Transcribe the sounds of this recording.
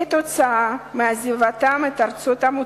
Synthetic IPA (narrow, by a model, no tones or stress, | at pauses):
et̪ot͡saameazivat̪amet̪aɾt͡sot̪amu